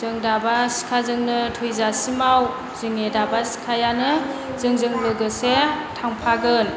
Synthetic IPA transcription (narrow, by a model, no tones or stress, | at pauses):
zɯŋdabasi̥kʰazɯŋnɯtʰujzasimaw | zɯŋedabasi̥kʰajanɯ | zɯŋzɯŋbɯɡɯsetʰaŋpʰaɡɯn